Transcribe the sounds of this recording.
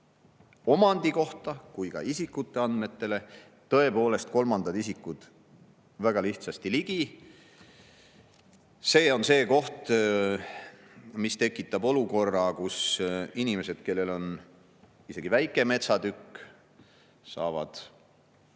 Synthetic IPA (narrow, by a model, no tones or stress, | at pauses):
o̞mɑnd̪iko̞ht̪ɑkujkɑ̰isikːˑut̪ːˑe̞ɑnd̪me̞t̪ːe̞le̞ | t̪ɤ̞e̞po̞ːle̞st̪̚ko̞lmɑnd̪̥ɑd̪isikːˑud̪̥ | væɡ̥ɑliht̪sɑst̪iliɡ̥i | se̞ːo̞nse̞ːko̞ht̪ | mist̪e̞kːˑit̪ːˑɑbo̞luko̞rːɑkusinʲime̞se̞d̪̥̚ke̞lːe̞lo̞n | ise̞ɡ̥ivæjkːˑe̞me̞t̪sɑd̪ykː | sɑ̰ːvɑ̰d̪̥